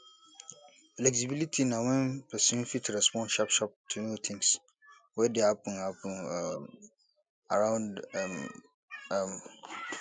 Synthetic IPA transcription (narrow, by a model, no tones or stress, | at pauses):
flɛksibilitʰinãwɛ̃npʰɛsnfitʰuɾɛspʰɔ̃nʃapʃap̚tʰunõtʰɪ̃ŋs | wɛdehapʰə̃nhapʰə̃n | aɹãʊ̃ndm | m